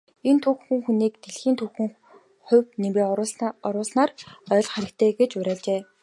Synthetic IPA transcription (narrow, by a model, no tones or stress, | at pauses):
ent̪ʰuxxɘ̆ŋxuniːk̚t̪eɮxiːnt̪ʰuxxɘ̆ŋ | χʊ̟wnimeːɔɾʊːɮnaːrœːɮχæɾʲɪ̆k̚t̪ʰeːɡet͡ɕʊɾʲæːɮt͡ɕeː